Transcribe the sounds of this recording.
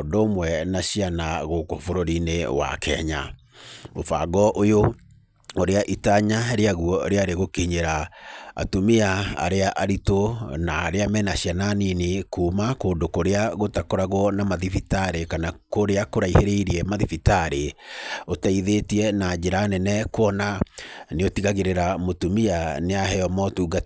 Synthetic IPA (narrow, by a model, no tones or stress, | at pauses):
ɔndoːmwɛnaɕianaɣoko̰foɾoɾinewa̰kʰɛ̰ɲa̰ | ofa̰ɡɔʔojo | oɾeaʔitaɲaɾeaɣuɔɾeaɾeɣokiɲeɾaa̰tomiaa̰ɾeaʔaɾitonaːɾeamɛnaɕiananinekuːmakoːndokoɾeaɣotakoɾaɣwɔnamaðifitaɾekanakoɾeakoɾaiheɾeiɾiɛmaðifitaɾeotaiðetiɛnad͡ʑeɾanɛnɛkwɔnaneotiɣaɣeɾeɾamotumianeaɦɛjɔmɔtuːɡa